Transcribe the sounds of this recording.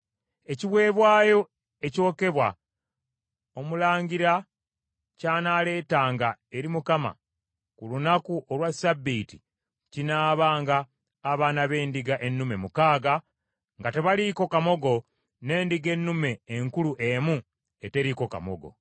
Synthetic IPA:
e̞ciβwe̞ːβwaːjo̞ | e̞co̞ːke̞βwa | o̞mulaːɲɟiɾa | caːnaːle̞ːtaːŋɡae̞ɾimukama̰ | kulunakuʔolwasabːiti | cinaːβaːŋɡaː | βaːnaβe̞ːndiɡaʔe̞nːume̞mukaːɡa | ŋɡate̞βaliko̞kamo̞ɡo̞ | ne̞ːndiɡe̞nːume̞ːŋkuluʔemu | ete̞ɾiko̞ka̰mo̰ɡo̞̰

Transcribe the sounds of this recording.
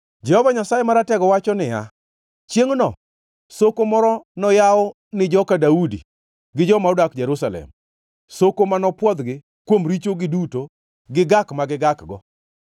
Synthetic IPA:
d͡ʒɛhɔvaɲasajemaɾatɛɡɔwat͡ʃɔnɪja̰ | t͡ʃjeŋnɔ | sokomɔɾɔnɔjaɔ | nɪd͡ʒɔkadaudḭ | ɡɪd͡ʒɔmaudakd͡ʒɛɾusalɛ̰m | sokomanɔpwɔd̪ɡɪ | kwomɾit͡ʃoɡɪduto | ɡɪɡakmaɡɪɡakɡɔ̰

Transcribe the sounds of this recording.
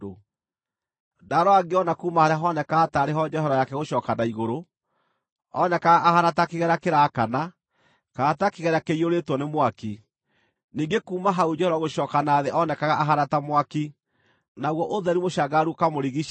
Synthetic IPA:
o | daɾɔaɡeɔnakuːmahaɾeaɦɔnɛkaːtaɾeɦɔd͡ʒɛhɛɾɔjakɛɣoʃɔːkanaiɣoɾo | ɔnɛkaɣaʔːhanatakeɣɛɾakeɾakana | kaːtakeɣɛɾakeioɾetwɔnemwaki | niːŋɡekuːmaɦaud͡ʒɛhɛɾɔɣoɕɔːkanaːðeʔɔnɛkaɣaʔaɦanatamwaki | naɣwɔʔoðɛɾimoɕaɡaɾukamoɾiɣi

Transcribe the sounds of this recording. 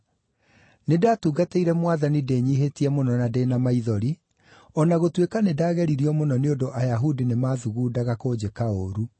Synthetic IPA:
nedaːtuːɡateiɾɛmwaðanideːɲiɦetiɛmonɔnadenamaiðɔɾi | ɔnaɣotwekanedaːɣɛɾiɾiɔmonɔneondoʔajaɦudinemaːðuɣuːdaɣakoːd͡ʑekaoɾu

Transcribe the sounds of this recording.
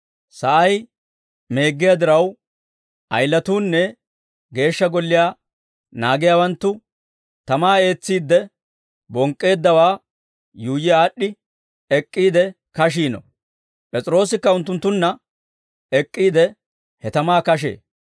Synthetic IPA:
sɐʔɐj | me̞ːɡːɪjad̪ɪɾɐw | tʔɐ̰jlːɐt̪uːnːɛ | ɡe̞ːʃːɐɡɔlːɪjaː | naːɡɪjaːwɐnt̪ːʊ | t̪ɐmaːe̞ːt͡sːiːd̪ːɛ | bɔŋkʼːe̞ːd̪ːɐwaː | juːjɪaːɗːɪ | ɛkʼːiːd̪ɛ | kɐʃ̬iːnɔ̰ | pʼɛt͡sʼɪɾo̞ːsɪkːɐʊnt̪ːʊnt̪ːʊnːɐ | ɛkʼːiːd̪ɛ | hɛt̪ɐmaːkɐʃ̬ḛː

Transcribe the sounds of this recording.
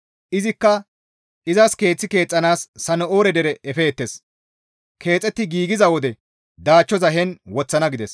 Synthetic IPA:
ʔɪzɪkːɐ | ʔɪzɐske̞ːt͡sːɪke̞ːt͡sʼːɐnaːsːɐnɔoːɾɛd̪ɛɾɛʔɛfeːt̪ːes | kʰe̞ːt͡sʼːɛt̪ːɪɡiːɡɪzɐwɔd̪ɛ | d̪aːt͡ʃːɔzɐɦɛnwɔt͡sːɐnɐɡɪd̪ɛs

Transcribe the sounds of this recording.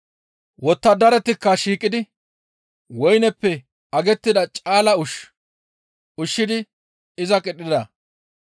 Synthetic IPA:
wɔt̪ːɐd̪ɐɾɛt̪ːɪkːɐʃiːkʼɪd̪ɪ | wɔjnɛpːɛ | ɐɡɛt̪ːɪd̪ɐt͡ʃʼaːlɐʊʃ | ʊʃːɪd̪ɪ | ɪzɐkʼɛɗɪd̪ɐ

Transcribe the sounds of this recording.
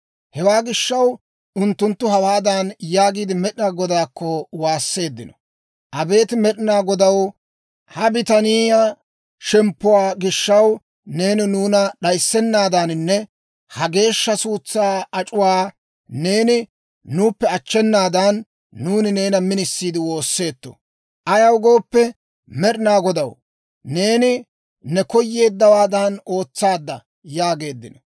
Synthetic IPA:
hɛwaːɡɪʃːɐw | ʊnt̪ːʊnt̪ːʊɦɐwaːd̪anjaːɡiːd̪ɪmɛɗɪnaɡɔd̪aːkːɔwaːsːe̞ːd̪ːɪnɔ | ʔɐbe̞ːt̪ɪmɛɗɪnaːɡɔd̪ɐw | hɐbɪt̪ɐniːja | ʃɛmpːʊwaːɡɪʃːɐw | ne̞ːnɪnuːnɐɗɐjsːɛnːaːd̪anɪnːɛ | hɐɡe̞ːʃːɐsuːt͡sːaːɐt͡ʃʼʊwaː | ne̞ːnɪ | nuːpːɛɐt͡ʃːɛnːaːd̪ɐnː | uːnɪne̞ːnɐmɪnɪsːiːd̪ɪwo̞ːsːe̞ːt̪ːɔ̰ | ʔɐjɐwɡo̞ːpːɛ | mɛɗɪnaːɡɔd̪ɐw | ne̞ːnɪ | nɛkɔjːe̞ːd̪ːɐwaːd̪ɐno̞ːt͡sːaːd̪ːɐ | jaːɡe̞ːd̪ːɪnɔ

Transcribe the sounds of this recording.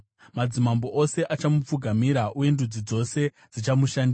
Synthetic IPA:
mad͡zimambo̞ʔo̞se̞ʔat͡ʃamup͡fuɡʱamiɾaʔuje̞ndud͡zid͡zo̞se̞ | d͡zit͡ʃamuʃandi

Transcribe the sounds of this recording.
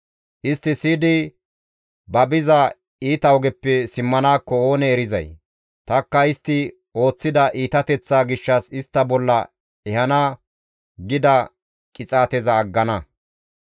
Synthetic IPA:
ʔɪst̪ːɪsiːd̪ɪ | bɐbɪzɐ | iːt̪ɐɔɡɛpːɛsɪmːɐnaːkːɔo̞ːnɛːɾɪzɐ̰j | t̪ɐkːɐɪst̪ːɪ | o̞ːt͡sːɪd̪ɐʔiːt̪ɐt̪ɛt͡sːaːɡɪʃːɐsɪst̪ːɐbɔlːɐ | ɛhɐnaː | ɡɪd̪ɐ | kʼɪt͡sʼaːt̪ɛzɐːɡːɐnɐ

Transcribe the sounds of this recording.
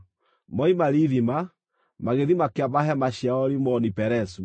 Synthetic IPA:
mɔimaɾiðima | maɣeðimakeaβaɦɛmaʃiaɔɾimɔnipɛɾɛsu

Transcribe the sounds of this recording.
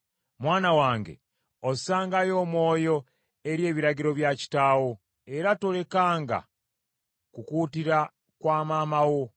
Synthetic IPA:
mwaːnawaːŋɡe̞̰ | osaːŋɡajo̞ːmwo̞ːjo̞ | e̞ɾje̞ːβiɾaɟiɾo̞βjaci̥taːwo̞ | e̞ɾato̞le̞kaːŋɡa̰ | kukuːtiɾa | kwaːmaːmawo̞

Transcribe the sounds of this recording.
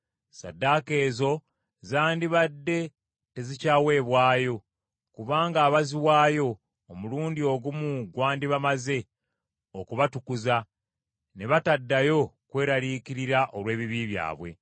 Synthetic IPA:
sa̰dːake̞ːzo̞ | zaːndiβadːe̞ | te̞zicaːwe̞ːβwaːjo̞ | kuβaːŋɡaːβaziwaːjo̞ː | muluːndio̞ɡumuɡwaːndiβamaze̞ | okuβatukuza | ne̞βatadːajo̞kwe̞ːɾaliːkiɾiɾaʔolwe̞ːβiβiːβja̰ːβwe̞̰

